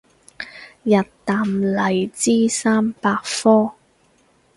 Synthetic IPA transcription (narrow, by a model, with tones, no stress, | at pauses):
jɐ˨tt̪aː˨mlɐ˨˩jt͡siː˥saː˥mpaː˧k̚fɔː˥